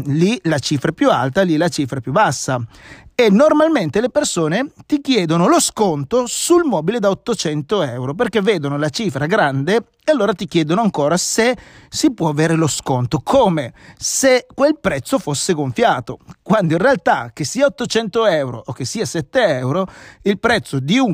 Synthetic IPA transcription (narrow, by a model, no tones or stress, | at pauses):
lilat͡ʃiːfɾapjua̰lt̪alilat͡ʃiːfɾapjubːasːaenːormalment̪elepersoːnet̪ikjɛːd̪onoloskont̪osulmɔːbiled̪aot̪ːot͡ʃɛnt̪oɛwɾop̬erkevːeːd̪onolat͡ʃifɾaɡɾand̪e | ealːoːɾat̪ik̟jɛːd̪onoaŋkoːɾasesipwɔaveːɾeloskont̪okʰoːmesekwelpɾɛt̪sːofosːeɡoɱfjaːt̪okwand̪oinrealt̪ak̟ːesːiːaot̪ːot͡ʃɛnt̪oɛwɾo̰ʔok̟esːiːasɛt̪ːeɛwɾoilpɾɛt̪sːod̪iu